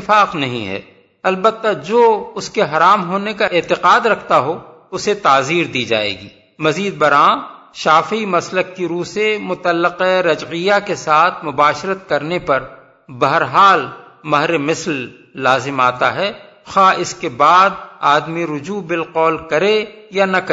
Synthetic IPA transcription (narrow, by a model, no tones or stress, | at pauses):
ɪfaːqnɐɦḭ̃ɦɛ̰ː | ɐlbət̪ːad͡ʒoːʊskeɦɐɾaːmɦoːnekaɪːt̪ɪqaːd̪ɾɐkʰt̪aɦo | ʊset̪aːziːɾd̪iːd͡ʒa̰ːḛːɡḭː | mɐziːd̪̚bɐɾãː | ʃaːfimɐslək̚kiɾuːsemʊt̪əlːəqeɾɐd͡ʒʕɪjakesaːt̪ʰmʊbaːʃɾət̪̚kɐɾnepɐɾ | bɐɦəɾɦaːl | mɐɦɾemɪslː | aːzɪmaːt̪aɦɛː | xaːɪskebaːd̪̚aːd̪miɾʊd͡ʒuːbɪlqɔːlkɐɾejanɐkː